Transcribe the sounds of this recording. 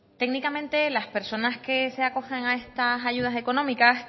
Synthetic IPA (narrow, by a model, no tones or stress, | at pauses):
t̪e̞ɡnikamẽ̞nt̪e̞laspe̞ɾso̞naske̞se̞ako̞xeŋae̞st̪as̬aʝuð̞ase̞ko̞nõmikas